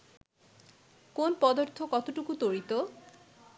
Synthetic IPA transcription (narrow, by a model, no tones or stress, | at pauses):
konpɔd̪oɾt̪ʰokɔt̪oʈukut̪oɾit̪o